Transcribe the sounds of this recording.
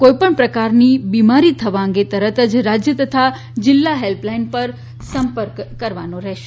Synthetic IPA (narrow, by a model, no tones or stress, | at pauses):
koipəɳpɾəkaɾnibimaɾit̪ʰəʋaə̃ŋɡet̪əɾət̪əd͡ʒɾad͡ʒjət̪ət̪ʰa | d͡ʒɪlːaɦelplainpəɾ | səmpəɾkːəɾʋanõɾɛɦʃe